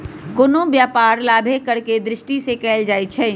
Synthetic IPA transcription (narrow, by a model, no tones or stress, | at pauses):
kʊnõbjaːpaːɾlaːbʱekɐɾked̪ɾɪʃʈisekɛːld͡ʒaːit͡ʃʰɛː